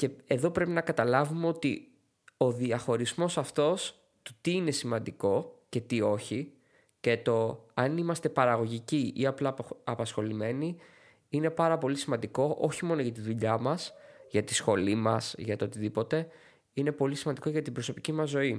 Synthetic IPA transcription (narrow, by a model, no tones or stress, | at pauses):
ce̞e̞ðo̞pɾe̞pinɐkɐt̪ɐlɐvumeo̞t̪ḭ | o̞ðiɐxo̞ɾizmo̞sɐft̪o̞s | t̪u̥t̪iine̞simɐnd̪iko̞ce̞t̪io̞çi | ce̞t̪o̞ɐnimɐst̪e̞pɐɾɐɣo̞ʝiciʔiɐplɐɐpɐsxo̞lime̞ni | ine̞pɐɾɐpo̞lisimɐnd̪iko̞ʔo̞çimo̞noʝɐt̪iðuʎɐmɐsʝɐt̪isxo̞limɐsʝɐt̪oot̪iðipo̞t̪e̞ | ine̞po̞lisimɐnd̪iko̞ʝɐt̪ibɾo̞so̞picimɐzːo̞i